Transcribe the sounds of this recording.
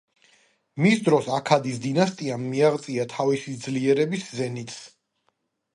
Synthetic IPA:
misd̪ɾɔsakʰad̪isd̪inast̪ʼiamːiaʁt̪sʼiat̪ʰavisid̪zliɛɾɛbiszɛnit̪ʰs

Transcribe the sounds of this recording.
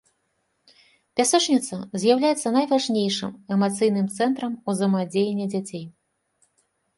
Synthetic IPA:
pʲasɛt͡ʂnʲit̪sɐzʲjawlʲajɛt̪sːɐnɐjvaʐnʲejʂɨ̰mɛmat̪sɨjnɨmt̪sɛnt̪ɾɐmuzɐmad͡zʲejenʲːɛd͡zʲat͡sʲej

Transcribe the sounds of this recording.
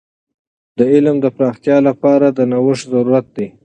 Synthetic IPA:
d̪̥əɪlmd̪əpɾɑxt̪jɑlapɑɾad̪ənawəʂzaɾuɾat̪̚d̪e

